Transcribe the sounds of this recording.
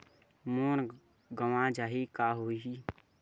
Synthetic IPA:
moːn | ɡəʋãd͡ʒaːɦikaːɦoːi

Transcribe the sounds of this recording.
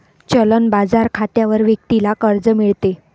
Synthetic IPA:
t͡ɕələnbad͡zaɾkʰat̪jaʋəɾʋjək̚t̪ilakəɾd͡zəmiɭt̪e

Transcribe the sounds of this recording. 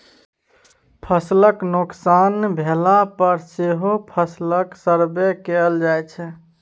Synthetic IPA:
pʰəsləknoksanbʱelapəɾseɦopʰəsləksəɾbekeld͡ʒajt͡ʃʰɛ

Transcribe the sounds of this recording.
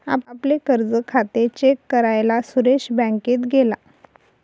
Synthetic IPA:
a̰paplekəɾd͡zəkʰat̪et͡ɕekːəɾajlasuɾeɕbə̃ŋket̪ɡʱela

